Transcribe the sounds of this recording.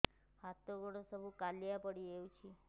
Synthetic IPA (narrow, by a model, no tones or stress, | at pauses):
hat̪ːoɡəɽosəbʱukaljapəɽieũt͡ʃʰi